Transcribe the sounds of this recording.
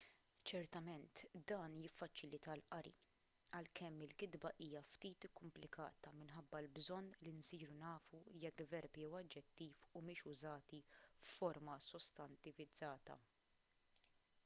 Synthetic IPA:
t͡ʃɛɾt̪ɐmɛnt̪d̪ɐːnjɪfːɐt͡ʃɪlɪt̪ɐlʔɐɾḭ | ɐlkɛmːɪlkɪd̪bɐʔiːjɐft̪iːt̪ɪkːʊmplɪkɐ̰ːt̪ɐmɪnħɐbːɐlbzɔnːlinsiːɾunɐːfujɛkːvɛɾpjɛwɐd͡ʒːɛt̪ːiːfumɪːʃʊzɐːt̪ifːɔɾmɐsɔst̪ɐnt̪ɪvɪd͡zːɐːt̪ɐ̰

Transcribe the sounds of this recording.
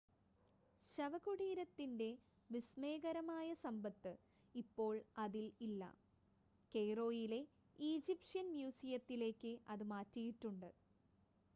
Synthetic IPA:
ɕɐʋɐɣuɽiːɾɐt̪ːinde̞ | ʋisme̞ːɣɐɾɐmaːjɐsɐmbɐt̪ːɨ | ipːo̞ːɭɐðililːɐ̰ | ke̞jro̞ːjile̞ | iːd͡ʑipʂɐnmjuːsijɐt̪ːile̞ːkːɨʔɐðɨmaːtːijiʈːuɳɖɨ

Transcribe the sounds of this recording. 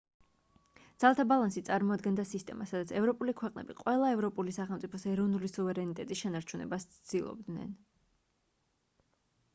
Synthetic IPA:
d̪z̥alˠat̪ʰabalˠansit̪sʼaɾmɔad̪ɡɛnd̪asist̪ʼɛmasad̪at̪sʰɛvɾɔpʼulikʰwɛqʼnɛ̰biqʼwɛlˠaɛvɾɔpʼulisaχɛlˠmt̪sʼipʰɔsɛɾɔvnulisuvɛɾɛnit̪ʼɛt̪ʼisʃɛnaɾt͡ʃʰunɛ̰bast̪sʰd̪̥ilˠɔ̰b̚d̪nɛ̰n

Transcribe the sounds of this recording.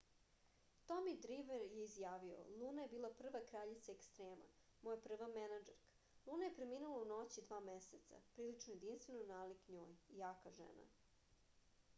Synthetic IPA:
t̪omid̪ɾiʋeɾjeizjaːʋio̰lˠuːnaje̞biːlˠapr̩ʋakɾaʎit̪saekst̪ɾeːma̰ | mojepr̩ʋamenad͡ʒeɾkḁ | lˠunaje̞pɾemiːnulauno̞t͡ɕid̪ʋaːmeset̪sa̰pɾiːlit͡ʂnojed̪inst̪ʋenonaːlikɲo̰ːjijaːkaʒḛna̰

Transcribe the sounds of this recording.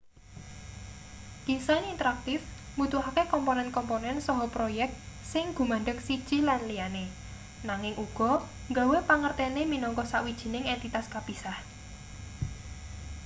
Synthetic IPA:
ɡ̥isanint̪əɾak̚t̪ɪfmut̪uɦakekɔmponɛnkɔmponɛnsɔɦɔpɾojɛk̚t̪̚ | sɪŋɡ̥ṳmaɳɖəksid̥ʒ̥i̤lanlijane | naŋɪŋʔuɡ̥ɔ̤ | ŋɡawepaŋərt̪ɛneminɔŋkɔsaʔwid̥ʒ̥i̤nɪŋɛnt̪it̪askab̥i̤sah

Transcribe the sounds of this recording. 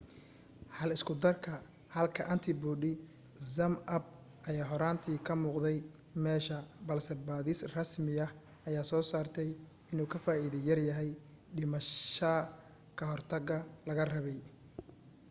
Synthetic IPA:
hɐlɪskʰʊd̪ɐrkʰɐ | hɐlkʰɐʔɐnt̪ʰɪbuːɖɪ | sɐmʔɐb̚ | ʔɐjaːɦɔɾaːnt̪ʰiːkʰɐmuːqðɛj | mɛːʃɐbɐlsɛbaːðɪsrɐsmɪɐ | ʔɐjaːsɔːsaːrt̪ʰɛj | ɪnuːkʰɐfaːiːðɪjɐrjɐɦɛj | ɖɪmɐʃɐ | kʰɐɦɔrt̪ʰɐɡɐlɐɣɐrɐβɛj

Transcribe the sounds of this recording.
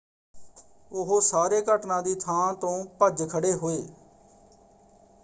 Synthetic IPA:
ʊɦoːsaːɾeːkəʈnãːd̪iːt̪ʰãːt̪õːpəd͡ʒkʰəɽeːɦoːeː

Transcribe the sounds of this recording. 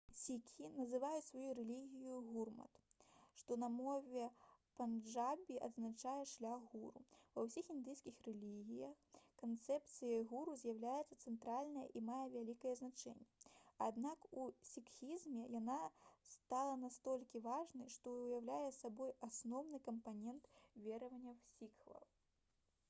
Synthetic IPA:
sʲikʲinɐzɨvajusvajuɾɛlʲiɣʲijuɣurmɐ̰t̪ʂt̪ɔnɐmɔvʲɛpanʐabʲiʔɐd̪znat͡ʂajɛʂlʲaɣːuɾṵvɐwsʲixind̪ɨjsʲkʲixrɛlʲiɣʲijɐxkant̪sɛp̚t̪sɨjɐɣuɾuzʲjawlʲajɛt̪sɐt̪sɛnt̪ɾalʲnɐjɐ̰ʔimajɛvʲalʲikɐjɛznat͡ʂɛ̰nʲːɛad̪nakusʲikxʲizmʲɛjanast̪alˠɐnast̪ɔlʲkʲivaʐnɐjʂt̪ɔwjawlʲajɛsabɔjasnɔwnɨkɐmpanʲɛnt̪vʲɛɾɐvɐnʲːɐwsʲikvɐ̰llˠ

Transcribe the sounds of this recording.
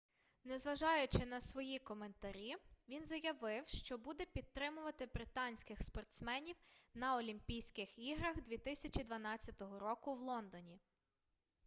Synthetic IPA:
nɛzʋɐʒɑjʊt͡ʃɪnɐsʋɔjikɔment̪ɐɾʲiʋʲinzɐjɐʋɪwʃt͡ʃɔbud̪ɛpʲid̪̚t̪ːɾɪmʊʋɐt̪ɪbɾɪt̪ɑnʲsʲkɪxspɔrt̪smɛnʲiwnɐɔlʲimpʲijsʲkɪxiɦɾɐxd̪ʲʋʲit̪ɪsʲɐt͡ʃʲid̪ʋɐnɑt͡sʲːɐt̪ɔɦɔɾɔkʊwlˠɔnd̪ɔnʲi

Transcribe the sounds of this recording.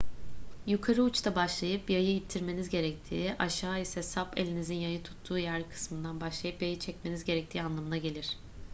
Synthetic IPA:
jukʰaɾɯut͡ʃt̪ʰabaʃlˠajɯpbjajɯit̪ʰːiɾme̞nizɟe̞ɾɛc̚t̪ʰiːʔaʃaːisɛsape̞̰lʲinizinjajɯt̪ʰu̥t̪ʰːuːjæɾkʰɯ̥smɯnd̪anbaʃlˠajɯpjajɯt͡ʃʰɛcme̞nizɟe̞ɾɛc̚t̪ʰiːanlˠamɯnaɟe̞lʲiɾ̥

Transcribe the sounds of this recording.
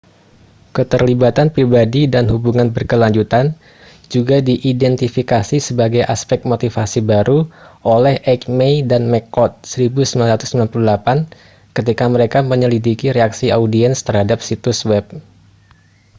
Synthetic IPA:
kət̪ərlibat̪anpɾibadidanɦubuŋanbərkəlaɲd͡ʒut̪an | d͡ʒuɡadiʔidɛnt̪ifikasisəbaɡajʔa̰spɛk̚t̪̚mot̪ifasibaɾʔuʔolɛhʔɛkmejdanmɛkɔt̪̚səɾibusəmbilanɾat̪ʊ̥səmbilanpululapan | kət̪̬ikaməɾekaməɲəlidikiɾeaksiaudiɛnst̪ərhadap̚sit̪uswɛp̚

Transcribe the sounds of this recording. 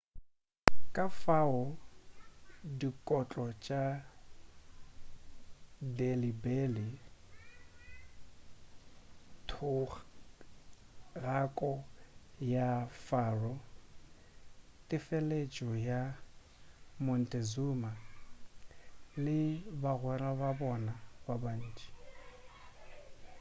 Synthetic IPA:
kʼafaʊ | dikʼɔt͡ɬʼɔt͡ʃʼa | delibeli | tʰʊ | ɣakʼɔjafaːrɔ | tʼɪfɛlet͡ʃʼɔja | mɔn̩tʼezuma | lɪbaɣwɛrababɔnababan̩ːt͡ʃʼi̥

